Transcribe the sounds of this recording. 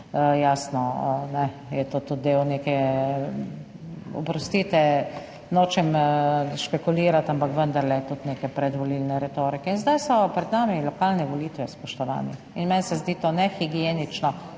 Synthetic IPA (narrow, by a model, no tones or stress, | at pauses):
jaːsnɔnɛjɛt̪oːt̪ud̪̚d̪eːwneːkɛ | ɔ̰pɾɔst̪iːt̪ɛ | noːt͡ʃɛmʃpɛkuliːɾat̪ampakʋənd̪aɾlɛt̪ut̪neːkɛpɾɛd̪ʋɔlilnɛɾɛt̪oːɾikɛinzd̪ajsɔpɾɛd̪naːmilɔkaːlnɛʋɔliːt̪ʋɛspɔʃt̪ɔʋa̰ːnɛ | inmɛnsɛzd̪iːt̪oːnɛxiɡijenit͡ʃnɔ